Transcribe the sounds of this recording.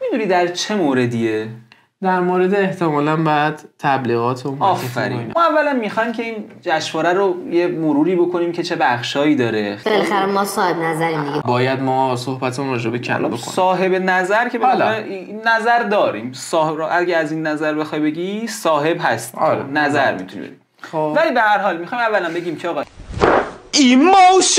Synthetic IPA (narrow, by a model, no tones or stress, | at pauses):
mid̪uːnid̪æɾt͡ʃʰe̞moːɾe̞d̪ie | d̪æɾmoːɾed̪eːht̪ʰemɒːlænbæd̪̥t̪ʰːæbliːɣɒːt̪ʰeunɒːffæ̰ɾimːævːælænmixɒːjmcʰe̞iːnd͡ʒæʃvɒːɾæɾoje̞moɾuːɾiːbo̞kʰo̞niːmcʰe̞t͡ʃʰe̞bæχʃɒːiːd̪ɒːɾe̞belæxæɾemɒsɒːhebnæzæɾimd̪iɡebɒːjæd̪mɒːsohbæt̪ʰemunɾɒːd͡ʒebecʰæ̰l̰bokʰo̰sɒːɦe̞benæzæɾcʰe̞bliːæzæɾd̪ɒːɾḭːmsɒːeʔæɟæːzinːæzæɾbe̞xɒːjbe̞ɟisɒːɦe̞bɦæst̪ːɾḛnæzæɾmḭt̪ʰunḭbḛi | ovæliːbehæɾɦɒːlmixɒːjmævːælæmbe̞ɟiːmcʰeɒːɣɒː | imowʃ